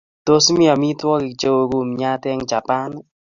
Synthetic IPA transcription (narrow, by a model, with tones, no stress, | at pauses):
to˦smi˦a˨mi˦twɔ˦kɪ˨t͡ʃe˦wo˨ɡu˨mɲa˦tɛ˦ŋt͡ʃa˨pa˦n